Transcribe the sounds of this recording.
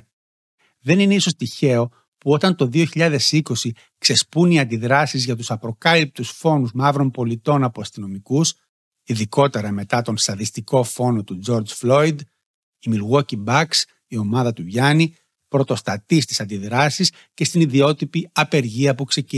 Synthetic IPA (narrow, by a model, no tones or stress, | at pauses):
ðe̞nine̞iso̞st̪içe̞o̞ | puo̞t̪ɐnt̪o̞ðio̞çiʎɐðe̞siko̞si | kse̞spuniɐnd̪iðɾɐsizʝɐt̪usɐpɾo̞kɐlip̚t̪usfo̞nuzmɐvɾo̞mpo̞lit̪o̞nɐpoɐst̪ino̞mikus | iðiko̞t̪e̞ɾɐme̞t̪ɐt̪o̞nst̪ɐðist̪iko̞fo̞no̞t̪ud͡ʒo̞ɾd͡zflo̞id̪ | imiɾɣocibɐks | io̞mɐðɐt̪uʝɐni | pɾo̞t̪o̞st̪ɐt̪ist̪i̥sɐnd̪iðɾɐsis | ce̞st̪iniðio̞t̪ipiɐpe̞ɾʝiɐpukse̞c